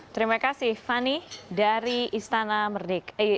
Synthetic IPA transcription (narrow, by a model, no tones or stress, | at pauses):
t̪əɾimakasɪhfanidaɾiist̪anamərdek